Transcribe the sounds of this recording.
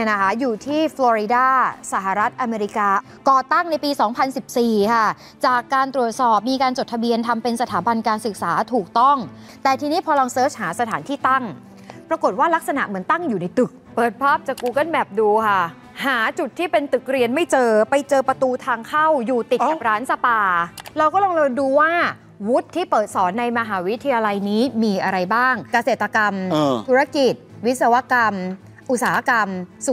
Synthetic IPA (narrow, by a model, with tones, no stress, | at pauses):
na˦˥kʰa˦˥juː˨˩t̪ʰiː˥˩flɔː˧ɾi˧daː˥˩sa˨˩ɦa˨˩ɾa˦˥t̪̚ʔa˧meː˧ɾi˦˥kaː˧ | kɔː˨˩t̪a˥˩ŋna˧jpiː˧sɔː˩˦ŋpʰa˧nsi˨˩p̚siː˨˩kʰa˥˩ | t͡ɕaː˨˩kːaː˧nt̪ɾu˨˩ət̪̚sɔː˨˩p̚miː˧kaː˧nt͡ɕo˨˩t̪ʰːa˧bi˧ənt̪ʰa˧mpe˧nsa˧t̪ʰaː˩˦ba˧nkaː˧nsɯ˨˩k̚saː˩˦t̪ʰuː˨˩k̚t̪ɔ˥˩ŋ | t̪ɛː˨˩t̪ʰiː˧niː˦˥pʰɔː˧lɔ˧ŋsɤː˦˥t͡ɕhaː˩˦sa˧t̪ʰaː˩˦nt̪ʰiː˥˩t̪a˥˩ŋ | pɾa˧ko˨˩t̪̚waː˥˩la˦˥k̚sa˧na̰˨˩ʔmɯ˩˦ənt̪a˥˩ŋjuː˨˩na˧jt̪ɯ˨˩k̚pɤː˨˩t̪̚pʰɔː˥˩p̚t͡ɕaː˨˩kkuː˧ka˥˩nbɛ˨˩p̚duː˧kʰa˥˩ | haː˩˦t͡ɕu˨˩t̪ʰːiː˥˩pe˧nt̪ɯ˨˩k̚ɾi˧ənma˥˩jt͡ɕɤː˧pa˧jt͡ɕɤː˧pɾa˧t̪uː˧t̪ʰaː˧ŋkʰa˥˩wjuː˨˩t̪i˨˩t̪̚ka˨˩p̚ɾaː˦˥nsa˧paː˧ɾa˧wkɔː˥˩lɔ˧ŋlɤː˧nduː˧waː˥˩ | wu˦˥t̪ʰːiː˥˩pɤː˨˩t̪̚sɔː˩˦nːa˧jma˧ɦaː˩˦wi˦˥t̪ʰːa˧jaː˧la˧jniː˦˥miː˧ʔa˧ɾa˧jbaː˥˩ŋka˧se˨˩t̪ːa˧ka˧mt̪ʰu˦˥ɾa˦˧˩ki˨˩t̪̚wi˦˥t̪̚sa˧wa˦˥ka˧m | ʔu˨˩t̪̚saː˩˦ha˦˥˩ka˧msu˨˩